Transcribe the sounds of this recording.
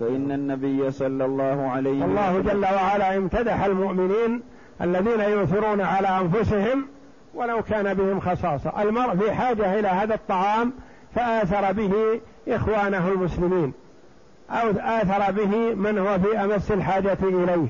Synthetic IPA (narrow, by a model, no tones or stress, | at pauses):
faʔɪnːanːabɪjːasˤɑlːɑlˤːɑːhʊʕalajwɑlˤːɑːhʊd͡ʒalːawaʕalaːʔɪmt̪ad̪aħalmʊʔmɪniːn | ʔa̰lːaðiːnajʊʔθɪɾuːnaʕalaːʔanfʊsɪɦɪm | walawkaːnabɪhɪmxɑsˤɑːsˤɑ̰ʔalmɑɾˤʔfiħaːd͡ʒaʔɪlaːhaːðɑt̪ˤːɑʕɑːm | faʔaːθɑɾˤɑbɪhi | ʔɪxwaːnaɦʊlmʊslɪmiːn | ʔaʔaːθɑɾˤɑbɪɦɪmɪnhʊwafiːʔamasːalħaːd͡ʒaʔɪlejh